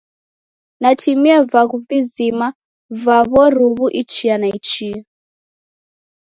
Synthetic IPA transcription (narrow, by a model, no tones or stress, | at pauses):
natimiɛvaɣuvizima | vaβɔɾuβuʔit͡ʃianait͡ʃia